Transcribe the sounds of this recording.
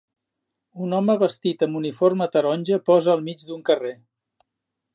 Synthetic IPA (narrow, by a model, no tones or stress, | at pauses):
unɔməβəst̪it̪əmuniformət̪əɾɔnʲʒəpɔzəːlˠmid͡ʒd̪uŋkəre